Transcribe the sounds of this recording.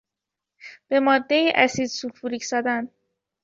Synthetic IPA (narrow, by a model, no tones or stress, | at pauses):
b̥e̞mɒːd̪ːe̞jiːʔæsiːd̪sulfuɾicʰsɒːd̪æn